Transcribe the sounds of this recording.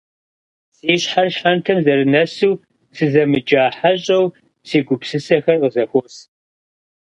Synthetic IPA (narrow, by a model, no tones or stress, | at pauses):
siːɕħarɕħantʰɐmzɐɾɨnɐsuwː | sɨzɐmɨd͡ʒʼaːħaɕʼɐw | siːɡʷʊpsɨsɐxɐrqəzɐxʷɔs